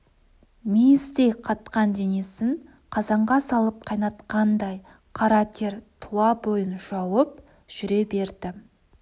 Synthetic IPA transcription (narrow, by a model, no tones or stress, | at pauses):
mijɪzd̪ejqʰɑt̪qɑnd̪e̞ne̞sɪŋ | qʰɑzɑɴʁɑsɑlˠəp̚qʰɑjnɑt̪qɑnd̪ɑj | qʰɑɾɑt̪ʲʰe̞ɾt̪ʰʊlˠɑbo̞jənʒ̥ɑwəp̚ | ʒ̥ʏɾe̞be̞ɾd̪ɪ